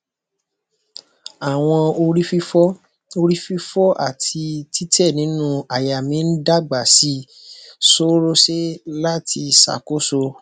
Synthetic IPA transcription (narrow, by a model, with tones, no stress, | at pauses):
a˨w̃ɔ̃˧o˧ɾi˦fi˦ɔ˦ | o˧ɾi˦fi˦fɔ˦ʔa̰˦˨ti˧ti˦tɛ˦˨nĩ˨˦nũ˦a˨ja˨mĩ˨˦n̩˦da˦ɡ͡ba˨si˨˦ | so˦ɾo˦ʃe˦la˦tʰi˧sa̰˨ko˦so˧